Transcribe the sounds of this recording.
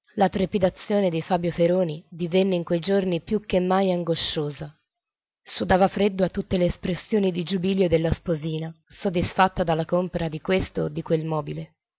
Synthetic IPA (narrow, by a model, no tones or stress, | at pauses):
lat̪ɾepid̪at̪sːjoːned̪ifaːbjofeɾoːnid̪ivɛnːeiŋkwejd͡ʒornipjukːemːajaŋɡoʃːoːza | sud̪aːvafɾed̪ːoat̪ːut̪ːeleːspɾesːjoːnid̪id͡ʒubiljod̪elːaspoziːnasod̪ːisfat̪ːad̪alːakompeɾad̪ikwest̪od̪ːikwelmɔːbile